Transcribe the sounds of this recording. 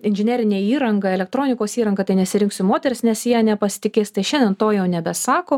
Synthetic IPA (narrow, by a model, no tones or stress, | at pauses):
ɪnʲʒʲɪnʲæːɾʲɪnʲeːiːɾɐŋɡɐɛlʲɛkt̪ɾoːnʲɪkoːsiːɾɐŋɡɐt̪ɐɪnʲɛsʲɪɾʲɪŋksʲɪmoːt̪ʲɛɾʲɪsnʲɛsjiɛnʲɛpɐsʲɪ̥t̪ʲɪkʲeːsʲt̪ɐɪʃʲɛnd̪ʲɛnt̪oːjɛʊnʲɛbʲɛsɑːkoː